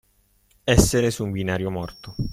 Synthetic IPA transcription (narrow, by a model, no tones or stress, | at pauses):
ɛsːeɾesuɱbinaːɾjomɔrt̪o